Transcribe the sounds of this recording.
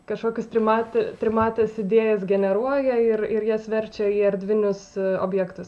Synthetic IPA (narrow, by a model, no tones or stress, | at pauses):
kɐʃkoːkʲʊst̪ʲɾʲɪmɑːt̪ʲɛt̪ʲɾʲɪmɑːt̪ʲɐsɪd̪ʲeːjɛsɡʲɛnʲɛɾuɔjɛɪɾɪɾjiɛsʲʋʲɛɾʲt͡ʃʲɛiːɐɾʲd̪ʲʋʲɪnʲʊso̰ːbʲjɛkt̪ʊs